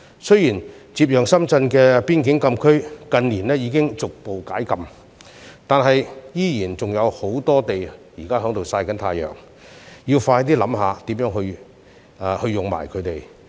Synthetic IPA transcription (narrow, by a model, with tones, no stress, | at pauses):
sɵ˥ɥjiː˨˩n | t͡siː˧p̚jœː˨˩ŋsɐ˥mt͡sɐ˧nkɛː˧piː˥nkɪ˨˥ŋkɐ˧mkʰɵ˥ɥkɐ˧nliː˨˩nɛː˥jiː˨˧˥kɪ˥ŋt͡sʊ˨k̚po˨wkaː˨˥jkɐ˧m | t̪aː˨nɦɐ˨jjiː˥jiː˨˩nt͡sʊ˨ŋjɐ˨˧who˨˥wt̪ɔː˥t̪e˨jjiː˨˩kaː˥ɦœː˨˥ŋt̪o˨wsaː˧jkɐ˨˥nt̪ʰaː˧jœ̰ː˨ŋ | jiː˧wfaː˧t̪̬iː˥lɐ˨˥mɦaː˨˧t̪iː˨˥mjœː˨˥ŋhɵ˧ɥ | aː˧hɵ˧ɥjʊ˨ŋma̰ː˨˩jkʰɵ˨˧˥t̪e˨j